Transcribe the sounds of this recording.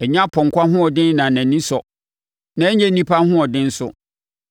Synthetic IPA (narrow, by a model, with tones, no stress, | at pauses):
ɛ˨ɲã˦pʰɔ̃˨ŋ̩˨kʷa˦ɦʊ̃˦ɔ˨dɪ̃˦nː˦ã˨nã˨nĩ˦sɔ˨ | nã˨ɛ˦ɲɛ̃˦nĩ˦pʰa˦hʊ̃˦ɔ˨dɪ̃˦n̩˦sʊ̰˨